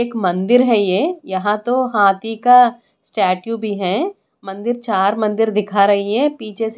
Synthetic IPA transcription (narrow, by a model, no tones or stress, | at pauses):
eːkmɐ̃nd̪ɪɾɦɛjeːjɐɦãt̪oɦaːt̪ika | sʈɛːʈjubʱiɦɛː | mɐ̃nd̪ɪɾt͡ʃaːɾmɐ̃nd̪ɪɾd̪ɪkʰaɾɐɦiɦɛːpiːt͡ʃʰes